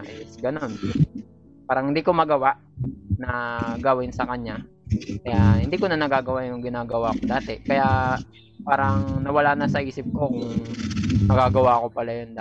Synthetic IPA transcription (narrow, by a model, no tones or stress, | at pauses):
ʔɛsɡɐno̞n | paːɾɐŋhɪnd̪iːkomɐɡɐwaʔ | nɐɡawɪnsɐkɐɲa | kɐjahɪnd̪iːkonɐnɐɡaːɡɐwajʊŋɡɪnaːɡɐwakod̪aːt̪ɛkɐja | paːɾɐŋnɐwɐlaʔnɐsɐʔiːsɪp̚ko̞kʊŋ | nɐɡaːɡɐwako̞pɐlajond̪a